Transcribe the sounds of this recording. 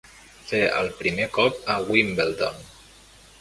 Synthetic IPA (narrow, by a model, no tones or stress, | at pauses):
feə̰lˠpɾimekɔp̚əwimbelˠt̪on